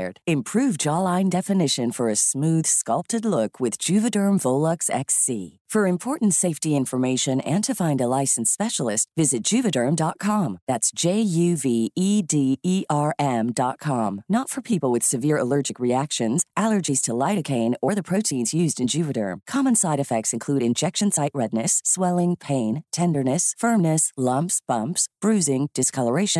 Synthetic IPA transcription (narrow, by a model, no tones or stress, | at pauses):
d̥ɨ̃mpʰɹ̥ʉvd͡ʒɑlˠãɪ̃ndɛfɨnɪʃɨ̃nfə˞ɨsmʉð̥skʌlˠp̚tɨdˡlʊkʰwɨðd͡ʒʉvɨdɜ̃˞mvoʊlˠəksɛ̰ksḭ | fə˞ɨ̃mpʰɔɹʔn̩tseɪftiɪ̃ɱfə˞meɪʃɨ̃nɨ̃ntʰɨfãɪ̃ndəlaɪsn̩spɛʃl̩ˠɪstvɪzɨt̚d̥ʒ̥ʉvɨdə̃˞mdɑt̚kʰɑ̃mðætsd̥ʒ̥eɪjʉviidiiʔɑɹʔɛ̃mdɑt̚kʰɑ̃mnətfə˞pʰipl̩ˠwɨð̥sɨvɪɹə̰lɜ˞d͡ʒɨkɹiækʃɨ̃nzʔælˠə˞d͡ʒiz̥tʰəlaɪɾɨkʰẽɪ̃nə˞ðɨpʰɹ̥oʊɾʰĩnzjʉzdɨ̃nd͡ʒʉvɨɾə̰˞mkʰɑmə̃nsaɪɾɨfɛk̚tsɨ̃nkʰl̥ʉɾɨ̃nd͡ʒɛkʃɨ̃nsaɪʔɹɛdⁿnɨswɛlˠɪ̃ŋpʰẽɪ̃ntʰɛ̃ndə˞nɨsfɜ̃˞mnɨslʌ̃mpsb̥ʌ̃mpsb̥ɹʉzɪ̃ŋd̥ɨskʰʌlˠə˞eɪʃɨ̃n